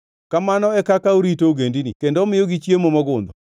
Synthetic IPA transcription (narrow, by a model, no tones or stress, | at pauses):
kamanɔɛkakaoɾitoɡendinḭkendomɪjoɡit͡ʃjemomɔɡʊnd̪ɔ